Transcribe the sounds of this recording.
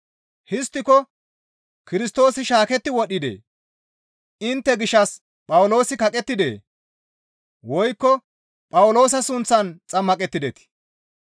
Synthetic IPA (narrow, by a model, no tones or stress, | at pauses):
hɪst̪ːɪkɔ | kɪɾɪst̪o̞ːsɪʃaːkɛt̪ːɪwɔɗɪd̪ḛː | ɪnt̪ːɛɡɪʃːɐs | pʼɐwlo̞ːsɪkɐkʼɛt̪ːɪd̪ḛː | wɔjkːɔ | pʼɐwlo̞ːs̬ɐsʊnt͡sːɐnt͡sʼɐmːɐkʼɛt̪ːɪd̪ɛt̪ɪ̥